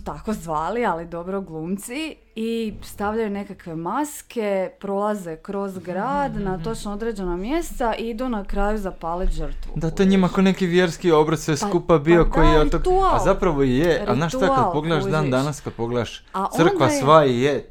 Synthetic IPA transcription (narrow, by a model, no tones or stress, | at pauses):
t̪ako̞zʋaːlialid̪o̞bɾoɡlˠuːmt̪si | ist̪aʋʎajune̞kakʋe̞maske̞pɾo̞lˠazekɾo̞zɡɾaːd̪nat̪o̞t͡ʃnood̪ɾe̞d͡ʑe̞namje̞st̪aʔiid̪unakɾaːjuzapaːliʒəɾt̪ʋṵd̪at̪ojeɲimakonekiʋjeɾskiobɾat̪seskupabiokojijeot̪okt̪uaazapɾaʋoijeaznaːʃt̪akad̪poɡled̪aʃd̪aːnd̪anaskad̪̚po̞ɡled̪aʃaʔ̪r̩k̪kʋasʋaije